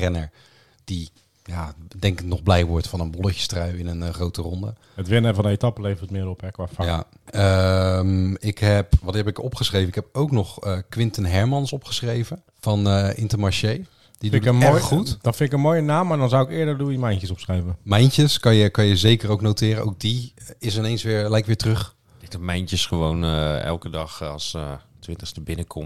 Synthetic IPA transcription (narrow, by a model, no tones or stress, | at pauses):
rɛnə̰ɹ | d̥i | jaːdɛŋknɔχblɛjʋɔɹtfɑnənbɔlˠəcə̥strœɥɪnənχrowtərɔndə | ətʋɪnəfɔndəejtɑpəlejvəɹtmɪːɾɔpɛkʋaːfaja̰ | əmɪkɦɛpʋɑtɦɛpɪkɔpχəsχrejvəɪkɦɛp̚owknɔχəkʋɪntənɦɛɹmɑnsɔpχə̥sχrejvə | v̥ɑnɪntəmaɹʃej | didutdɔnfɪntɪkənmoːjənaːmːadɔnzawɪkɪːdəɹdumɛjncəsɔpsχrɛjvəmɛjntəskɑnjəkɑnjəzejkəɾowknowtɪːɾənʔo̰wk̚diɪsɪnejnsʋɪːɹlɛjkʋɪːɹtrøχ | ɪtəmɛjntəsχəʋownɛ̰lˠkədɑχɑlˠs | tʋɪntəχstəbɪnəkʰɔm